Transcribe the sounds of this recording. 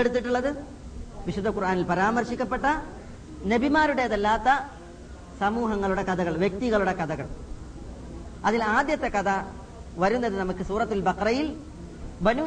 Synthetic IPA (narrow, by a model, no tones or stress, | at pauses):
eɽut̪ːiʈːuɭːɐðɨ | ʋiɕud̪ʱːɐkurʔaːnilpɐɾaːmɐrɕikʲːɐpːe̞ʈːɐ | nɐbimaːɾuɽe̞ɐðɐlːaːt̪ːɐ | sɐmuːɦɐŋːɐɭuɽe̞kɐðɐɣɐɭʋjek̚t̪iɣɐɭuɽe̞kɐðɐɣɐ̰ɭ | ɐðilaːd̪jɐt̪ːe̞kɐðɐ | ʋɐɾunːɐðɨnɐmukːɨsuːrɐt̪ːulbɐqrɐjil | bɐnu